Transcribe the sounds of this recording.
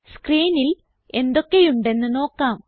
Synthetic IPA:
skriːnil | e̞nd̪o̞kːe̞juɳɖe̞nːɨno̞ːkːaːm

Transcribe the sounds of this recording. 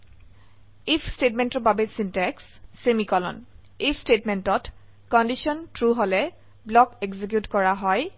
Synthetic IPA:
ipʰstetmɛ̃ntɔɹbabɛsintɛksː | emikɔlɔ̰n | ipʰstetmɛntɔt | kɔndisɔntɹuɦolɛ | blɔkɛkzik̬jutkɔɹaɦɔj

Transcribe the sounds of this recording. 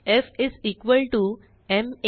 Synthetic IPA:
efɪzikʋəlʈu | em

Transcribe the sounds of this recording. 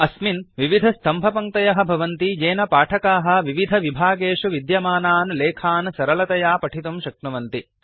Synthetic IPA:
ɐsminʋiʋid̪ʱɐst̪ʰɐmbʱɐpɐŋt̪ɐjɐɦɐ̆bʱɐʋɐnt̪id͡ʒeːnɐpaːʈʰɐkaːɦɐ̆ʋiʋid̪ʱɐʋibʱaːɡeːʂuʋid̪jɐmaːnaːnleːkʰaːnsɐɾɐlɐt̪ɐjaːpɐʈʰit̪umʃɐkɳɐʋɐnt̪i

